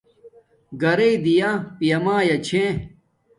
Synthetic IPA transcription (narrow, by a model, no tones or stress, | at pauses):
ɡɐɾeid̪ijapijɐmãːjɐt͡ɕʰẽ